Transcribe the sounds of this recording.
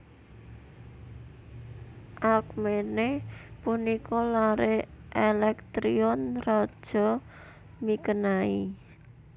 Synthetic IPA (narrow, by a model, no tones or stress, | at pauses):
ʔak̚menepunikʰɔlaɾeʔelɛk̚t̪ɾiɔnrɔd̥ʒ̥ɔ̤ | mikənai